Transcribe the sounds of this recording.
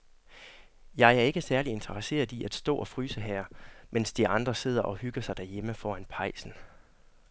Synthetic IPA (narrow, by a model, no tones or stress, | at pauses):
jɑ̈ɪæɐe̝ɡ̥əsæɐlie̝nt͡sʰɐʁəse̝̰ːɐðˠiʔæd̥sd̥ɔ̰̽ːɒ̽fʁy̰ːsəɦæɐ̰mʔensd̥iɑ̈nd̥ʁɐse̝ð̰ˠɐʔɒ̽hyɡ̥ɐsɑ̈ɪd̥æɐjeməfɒ̰ːænpʰɑ̈ɪ̰sn̩